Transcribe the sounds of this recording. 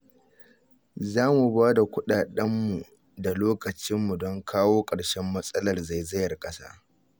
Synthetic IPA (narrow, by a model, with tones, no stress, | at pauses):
zaː˦mu˨baː˦da˨kʷʊ˦ɗaː˨ɗɐ˦mːu˨ | da˨loː˦kɐ˨t͡ʃɪ˦mːu˨dɔ˦ŋkʰaː˦woː˦kʼɐ˨ɽʃɛ˦mːɐ˦sʼɐ˦lɐ˨rza˨jzɐ˦jɐ˨rkʼɐ˦sa̰ː˦